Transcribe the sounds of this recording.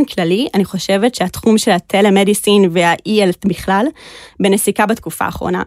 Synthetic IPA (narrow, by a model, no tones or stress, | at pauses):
mklalianiχo̞ʃe̞vetʃeat̪χumʃe̞latʰelemedisinveaʔʔieltbiχlalbenesikabat̪kufa̰ːχʁo̞̰na̰